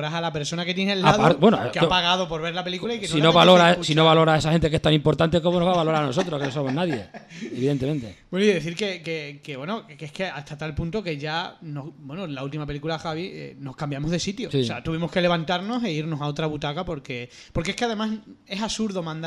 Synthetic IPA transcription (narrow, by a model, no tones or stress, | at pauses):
ɾasalape̞ɾso̞nake̞t̪jenelːaðabwenokapaɣaðo̞po̞ɾβelape̞likulaikensoinoβaloɾasinoβalo̞ɾaes̬axent̪ekehst̪ãnimpo̞ɾt̪ant̪e̞ko̞monoβaβalo̞ɾaɾno̞sot̪ɾokenosomonaðjeeβiðe̞nt̪emẽ̞nt̪ebwenoiðe̞θiɾke̞kekeβwe̞nokehke̞aht̪at̪alpũnt̪oke̞ʝanohbwe̞nolault̪̬imape̞likulaxaβ̞iḛno̞hkambjamo̞zðe̞sit̪josseat̪uβimohke̞le̞β̞ant̪aɾno̞seiɾno̞sao̞t̪ɾaβut̪akapo̞ɾke̞ | po̞ɾkeehkeaðe̞mase̞sasuɾðo̞mãnd̪